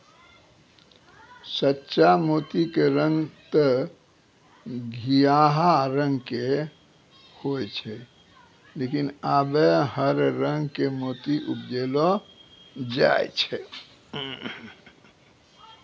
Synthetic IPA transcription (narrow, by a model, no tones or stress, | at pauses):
sətːʃamoːt̪ikeɾə̃ŋɡt̪ə | ɡʱijaːɦaɾə̃ŋɡke | hoet͡ʃʰɛ | lekinabehəɾɾə̃ŋɡkemoːt̪iʔupd͡ʒeːlo | d͡ʒa̰ːj̰t͡ʃʰɛ